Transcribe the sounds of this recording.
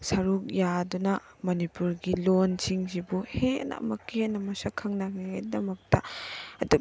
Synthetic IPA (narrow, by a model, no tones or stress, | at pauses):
sɐɾuk̚jadunɐ | mɐnipuɾɡilonsʰiŋzibuhenɐ̰mɐkːienɐmɐsakʰɐŋnaɡiedɐmɐk̚tɐɐdu